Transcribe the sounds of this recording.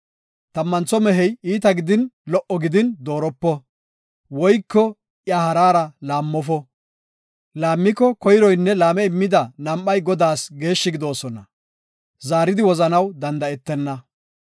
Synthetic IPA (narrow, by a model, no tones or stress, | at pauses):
t̪ɐmːɐnt͡sɔmɛɦɛjiːt̪ɐɡɪd̪ɪnlɔʔɔɡɪd̪ɪnd̪o̞ːɾɔpːɔ | wɔjkːɔ | ʔjahɐɾaːɾɐlaːmːɔfɔ | laːmːɪkːɔkɔjɪɾɔjnːɛlaːmɛɪmːɪd̪ɐnɐmʔɐjɡɔd̪aːsɡe̞ːʃːɪɡɪd̪o̞ːsɔnɐ | zaːɾɪd̪ɪwɔzɐnɐwd̪ɐnd̪ɐɛt̪ːɛnːɐ